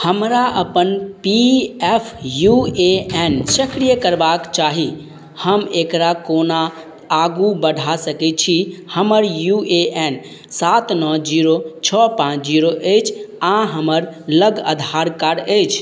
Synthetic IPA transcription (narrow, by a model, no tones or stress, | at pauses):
həmɾaʔəpənpiepʰjueensəkɾijəkəɾbakt͡ʃaɦi | həmekɾakonaː | ɡubəɽʱasəkɛt̪̚t͡ʃʰihəməɾjueen | sat̪nɔd͡ʒiɾot͡ʃʰɔpãt͡ʃʰd͡ʒiɾoʔət͡ʃʰãɦəməɾləɡəd̪ʱaɾkaɖəjt͡ʃʰ